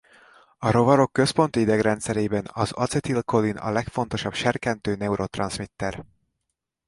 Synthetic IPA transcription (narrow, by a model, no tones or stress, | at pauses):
ɒɾo̞vɒɾo̞kːø̞spo̞nt̪iid̪ɛɡrɛnt̪sɛɾeːbɛnɒzɒ̰t̪sɛt̪ilko̞linɒ̰lɛkfo̞nt̪o̞ʃɒbʃɛrkɛnt̪øːnɛuɾot̪rɒ̰nsmit̪ːɛr